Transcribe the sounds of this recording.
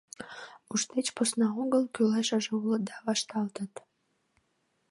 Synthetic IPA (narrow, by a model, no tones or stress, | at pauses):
uʃt̪et͡ɕposnɑoɣəlˠkyleʃə̆ʒeulə̆d̪ɑβɑʃt̪ɑlt̪ət̪